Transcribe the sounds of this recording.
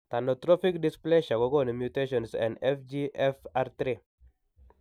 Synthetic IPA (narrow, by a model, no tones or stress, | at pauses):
t̪anɔt̪ɾɔfikdɪspleʃakɔkɔnimjuteʃɔnsɛ̰̃ndɛfd͡ʒiʔɛfaɾt̪ɾe